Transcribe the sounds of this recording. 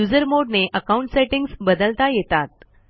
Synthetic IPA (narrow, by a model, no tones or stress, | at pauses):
ud͡zəɾmoɽneʔəkauɳʈseʈiŋɡsbəd̪əlt̪ajet̪at̪̚